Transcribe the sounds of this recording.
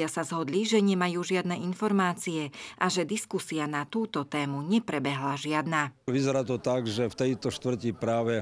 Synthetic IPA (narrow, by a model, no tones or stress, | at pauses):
asazɦɔd̪liʒɛɲɛmajuːʒɪad̪nɛːʔinfɔɾmaːt͡siɛʔaʒɛd̪iskusianat̪uːt̪ɔt̪ɛːmuɲɛpɾɛbɛɦlaʒɪad̪naːʋizɛɾaːt̪ɔt̪aɡʒɛft̪ɛjt̪ɔʃt̪ʋr̩cipɾaːʋɛ